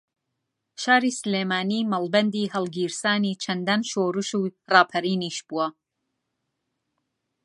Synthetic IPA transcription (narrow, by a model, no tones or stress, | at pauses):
ʃaːɾiːsɨleːmaːniːmɐlˠbɐnd̪iːhɐlˠɡiːɾsaːniːt͡ʃʰɐnd̪anʃoːɾɨʃuːrɑːpʰɐɾiːniːʃb̥uwɐ